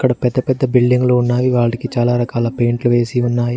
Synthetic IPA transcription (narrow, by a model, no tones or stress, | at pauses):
ɐkːɐɽɐpɛd̪ːɐpɛd̪ːɐbilɖiŋɡlounːaːjuʋaːɐʈikit͡ʃaːlaːɾɐkaːlɐpe̞ːɳʈluʋe̞ːsiunːaːji